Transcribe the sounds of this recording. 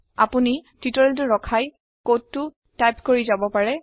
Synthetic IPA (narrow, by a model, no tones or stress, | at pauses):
apunititɔɹɛlt̬ʊɹɔkʰaj | kottːʊ | tajpkoɹizabɔpaɹɛ